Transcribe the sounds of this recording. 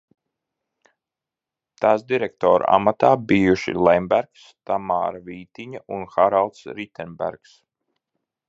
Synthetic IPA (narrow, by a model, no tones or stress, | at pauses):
t̪aːsd̪iɾɛk̚t̪ɔːɾ̰a̰mat̪aːbijuʃḭlɛjmbæɾkst̪ama̰ːɾaviːt̪iɲaunxaɾalˠt̪sɾit̪ɛnbæ̰ɾks